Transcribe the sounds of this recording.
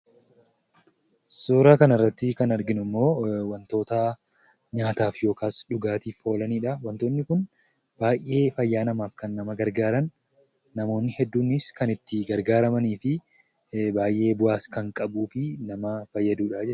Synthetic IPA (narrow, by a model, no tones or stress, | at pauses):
suːɾaːkɐnɐrːɐt̪ːɪkɐnɐɾɡɪnʊmːo̞ːwɐnt̪o̞ːt̪ɐ | ɲaːt̪aːfjo̞ːkaːsᶑʊɡaːt̪iːfho̞ːlɐniːᶑɐwɐnt̪oːnːɪkʊn | b̥aːjʔe̞ːfɐjːaːnɐmaːfkɐnːɐmɐɡɐɾɡaːɾɐnː | ɐmoːnːɪhɛd̪ːuːnɪskɐnɪt̪ːɪɡɐɾɡaːɾɐmɐniːfɪ | baːjʔe̞ːbʊaːskɐŋkʼɐbuːfɪnɐmɐfɐjːɐd̪uːᶑad͡ʒɛ